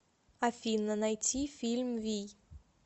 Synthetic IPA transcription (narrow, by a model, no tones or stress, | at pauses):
afinnanajt͡sifilmvi